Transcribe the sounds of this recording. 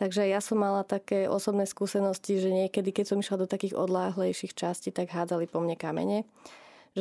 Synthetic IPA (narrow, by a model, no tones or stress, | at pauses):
t̪aɡʒɛajasɔmːalat̪akɛːʔɔsɔbnɛːskuːsɛnɔsciʒɛɲɪɛkɛd̪ikɛcsɔmiʃlad̪ɔt̪akiːɣɔ̰d̪laːɦlɛjʃixt͡ʃascit̪aɡɦaːd͡zalipɔmɲɛkamɛ̰ɲɛ | ʒ